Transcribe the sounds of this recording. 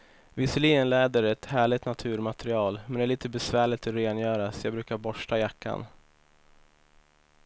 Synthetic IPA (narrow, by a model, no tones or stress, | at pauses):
vɪsəliːɡənlɛːd̪əɾɛt̪hæːɭɪɡt̪nat̪ʰʉ̟ːɾmat̪ɾɪɑːlmɛnæɭiːt̪əbɛsvæːɭɪt̪ɔɾeːnjœːɾasɔjɑːbɾʉːkaɾbɔʂʈajakʰːa̰n